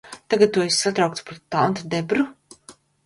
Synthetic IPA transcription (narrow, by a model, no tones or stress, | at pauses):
t̪aɡad̪̚t̪ːuɔisʲsat̪ɾawk̚t̪pɾut̪ant̪d̪ɛbɾu